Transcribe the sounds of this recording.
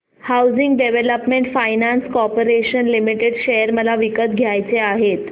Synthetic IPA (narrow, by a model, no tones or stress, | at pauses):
hawd͡ziŋɡɖeʋeləpmeɳʈfajnanskɔpəɾeɕənlimiʈeɖɕejəɾməlaʋikət̪̚ɡʱjajt͡seaɦet̪